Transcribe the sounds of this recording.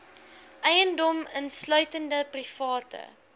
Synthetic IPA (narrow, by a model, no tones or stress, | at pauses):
ʔɛjəndɔmənslœɥtəndəprifɑːtə̰